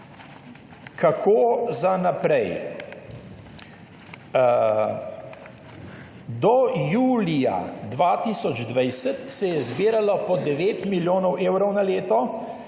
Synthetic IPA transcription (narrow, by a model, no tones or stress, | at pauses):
kʰakʰoːzanapɾɛj | d̪ɔjuːlija̰d̪ʋat̪iːsɔd͡ʒd̪ʋajsət̪sɛjɛzbiːɾalɔpɔd̪ɛʋeːt̪miljoːnɔweːwɾɔwnaleːt̪ɔ